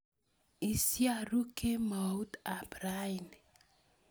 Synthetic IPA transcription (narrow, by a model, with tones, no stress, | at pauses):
i˨sja˨ɾu˦kʰe˦ma˨u˦t̪a˨bɾa˦i˨n